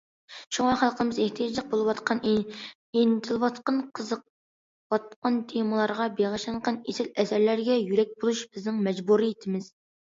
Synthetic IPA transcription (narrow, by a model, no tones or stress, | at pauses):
ʃoŋɑχælˠqʰəmɨzeht̪ʰijɑd͡ʒlˠəq̚bolˠɨwɑt̪qʰɑn | int̪ʰɨlˠwɑt̪qɑnqʰəzəq̚ | wɑt̪̚qɑnt̪ʰemɨlˠɑɾʁɑbeʁɑʃˠɑnqɑnesɪlɛsæɾlæɾɡʲɛjyɾɛk̚ʲbolˠuʃb̥ɪznɪŋmɛd͡ʒbuɾijit̪ʰɪmɪz̥